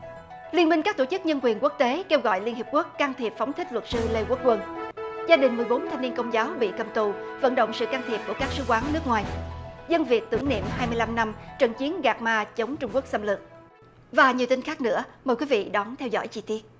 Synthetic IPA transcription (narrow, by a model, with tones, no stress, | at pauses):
li˧ənmï˧ŋ̟kaː˦˥k̚t̪o˧˩t͡ɕɨ˦˥k̚ɲə˧nkwi˨˩ənku˦˥ək̚t̪e˨˦ke˧wɣɔ̰˧˨jli˧ənhi˨˩p̚ku˦˥əkːaː˧ŋt̪ʰi˨˩əp̚fa˨˦wŋ͡mt̪ʰï˦˥k̟̚lwə˨˩t̚sɨ˧le˧kwək̚kwə˧˩nzaː˧ɗï˨˩ŋ̟mɨ˨˩əjɓo˨˦nt̪ʰa˧ŋni˧ənkə˧wŋ͡mzaː˨˦wɓḭ˧˨kə˨˩mt̪u˨˩və̰˧˥nɗo̰˧˨ŋ͡msɨ̰˧˨kaː˧ŋt̪ʰi˨˩əp̚ku˧˩əkaː˦˥k̚sɨ˨˦kwaː˨˦nnɨ˦˥ək̚ŋwaː˨˩jzə˧nvi˨˩ək̚t̪ɨ̰˧˩əŋnḭ˧˨mɦaː˧jmɨ˧əjla˧mna˧mt͡ɕə˨˩nt͡ɕi˨˦ənɣaː˨˩k̚maː˧t͡ɕə˨˦wŋ͡mt͡ɕʊ˧ŋ͡mku˦˥ək̚sə˧mlɨ˨˩k̚ | vaː˨˩ɲi˨˩wt̪i˧n̟xaː˦˥k̚nɨ̰˧˥əmə˨˩jkwi˨˦vḭ˧˨ɗɔ˨˦nt̪ʰɛ˧wzɔ̰˧˩jt͡ɕi˧˩t̪i˦˥ət̚